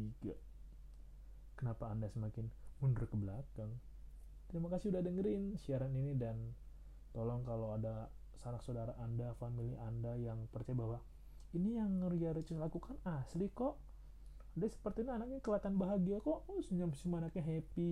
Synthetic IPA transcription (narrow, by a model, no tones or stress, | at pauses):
iɡa̰ | kənapaːndasəmakɪnmundərkəbəlakaŋ | t̪əɾimakasiudadəŋəɾɪnsiaɾaninidan | t̪olɔŋkalawada | sanaksoodaɾaʔːndafamiliʔandajaŋpərt͡ʃajabaɦwa | inijaŋəriaɾət͡ʃənlakukanaslikɔʔ | adasə̥pərt̪iːnianak̚ɲɛkəlat̪anbaɦaɡiakɔʔsəɲamsimanakɛɦepi